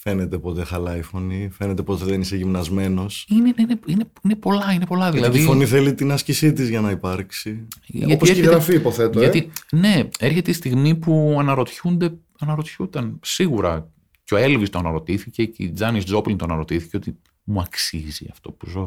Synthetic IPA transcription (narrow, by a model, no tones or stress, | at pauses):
fe̞net̪e̞po̞t̪e̞xɐlɐifo̞nifenet̪e̞pot̪eðeniseʝimnɐzme̞no̞sinenineineine̞po̞lɐine̞po̞lɐðilɐðifo̞niθelit̪inɐscisit̪izʝɐnɐipɐɾksiʝɐt̪ieçeɣɾɐfiipoθet̪oɐine̞e̞ɾçe̞t̪eist̪iɣmipuɐnɐɾo̞t̪çund̪e | ɐnɐɾo̞t̪çut̪ɐnsiɣuɾɐ̰ | ceo̞e̞lvist̪oɐnɐɾo̞t̪iθice̞cd͡zɐnisd͡zo̞plint̪oɐnɐɾo̞t̪iθi̥ceo̞t̪i | muɐksizḭɐ̰ft̪o̞puzo̞